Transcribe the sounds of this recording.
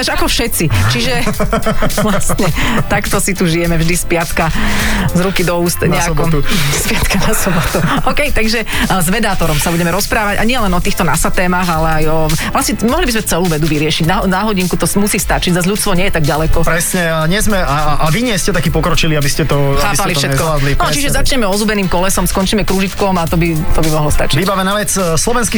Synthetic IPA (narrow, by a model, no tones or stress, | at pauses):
aʒakɔfʃɛt͡sit͡ʃiʒɛ | ʋlast̪ɲɛt̪akt̪ɔsit̪uʒijɛmɛvʒd̪ispɪat̪kazɾukid̪ɔuːst̪ɲɛakɔuspɪat̪kanasɔbɔt̪uɔkɛjt̪aɡʒɛzʋɛd̪aːt̪ɔɾɔmsabuɟɛmɛɾɔspɾaːʋaɟa̰ɲɪɛlɛnɔt̪iːxt̪ɔnasat̪ɛːmaːɣalɛajɔlasɲɛmɔɦlibizmɛt͡sɛluːʋɛd̪uʋiɾɪɛʃiɟnanaɦɔɟiŋkut̪ɔsmusiːst̪at͡ʃiɟzazlʎut̪st̪ʋɔɲɛjɛt̪aɡ̚ɟalɛkɔpɾɛsɲɛaɲɪɛzmɛaʔaʋiɲɪɛscɛt̪akipɔkɾɔt͡ʃiliabiscɛt̪ɔaːpalifʃɛkɔad̪linɔt͡ʃiʒɛzat͡ʃɲɛmɛɔzubɛniːmkɔlɛsɔmskɔnt͡ʃiːmɛkɾuːʒit̪kɔmat̪ɔbi | t̪ɔbimɔɦlɔst̪a̰t͡ʃi̥ʋibaʋɛnaːʋɛt͡s | slɔʋɛnski